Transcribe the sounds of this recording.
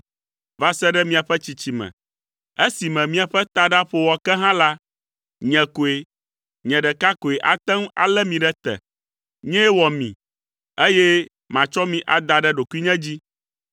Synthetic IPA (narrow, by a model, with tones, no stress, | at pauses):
va˨sɛ˦ɖɛ˦mĩ˨a˨ɸɛ˦t͡ɕi˨t͡ɕi˨mɛ̰̃˨ | e˦si˨mɛ̃˨mĩ˦a˨ɸɛ˦t̪a˨ɖa˦ɸo˨wɔ˨kɛ˦ɦã˦la˦ | ɲɛ̃˨ko˨e˨ | ɲɛ̃˨ɖɛ˨ka˦ko˨e˨ʔa˨t̪ɛ̃˦ŋ˦a̰˨lɛ˦mĩ˨ɖɛ˦t̪ɛ̰˨ | ɲɛ̃˦wɔ˨mḭ̃˨ | e˦jɛ˦ | mã˨t͡ʃɔ˦mĩ˨ʔa˨d̪a˨ɖɛ˦ɖo˨ku˦i˦ɲɛ̃˦d͡ʑi˦